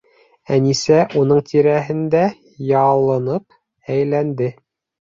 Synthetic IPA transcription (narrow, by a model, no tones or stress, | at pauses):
ænisæʔunɤɴt̪ʰiɾæɦɘ̆nd̪æ | jɑlˠɤ̆nɤp̚ | æjlænd̪ɘ